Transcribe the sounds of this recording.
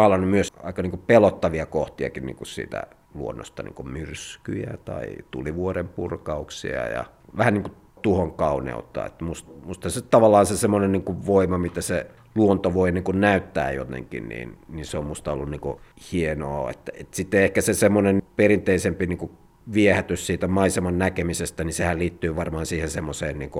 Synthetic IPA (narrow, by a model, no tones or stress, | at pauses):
ɑlɑnumyøsɑ̰ikɑniːŋkupelot̪ːɑʋiɑkoht̪iɑ̰kinnḭːŋkussḭːt̪æ̰ | luonːo̰st̪ɑnḭːŋkummyrsky̰jæt̪ɑit̪ṵliʋuorempurkɑuksḭɑ̰jɑ̰ʋæhænniŋku | t̪uhoŋkɑunḛut̪ːˑɑ̰ːḛt̪ːæmustmust̪hɑset̪ɑʋɑlːɑːnsesemːonenniːŋkuʋʋoimɑmit̪æse | luont̪oʋoiniːŋkunnæyt̪ːæ̰ːjo̰t̪ḛŋkḭnnḭːnninseommust̪ɑo̰lːunniːŋkuhieno̰ːḛt̪ːæet̪sit̪ːeehkæsesemːonenperint̪eisempiniːŋku | ʋiehæt̪yssiːt̪æmɑisemɑnnækemisest̪ænisehælliːt̪ːyːʋɑrmɑːnsiːhensemːoseːnniːŋku